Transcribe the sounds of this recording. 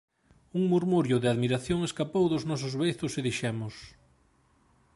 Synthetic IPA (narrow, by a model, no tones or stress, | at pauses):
uŋmuɾmuɾjʊðeaðmiɾaθjoŋeskapowðʊznɔs̬ʊzβejθʊseðiʃɛmʊs